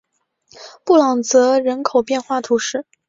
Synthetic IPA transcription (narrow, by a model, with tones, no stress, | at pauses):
pu˥˩lɑ˨˩ŋt͡sɤ˧˥ɻə˧˥nkʰo˨˩ʊpjɛ˥˧nxwa˥˩t̪ʰu˧˥ʂɻ̩˥˩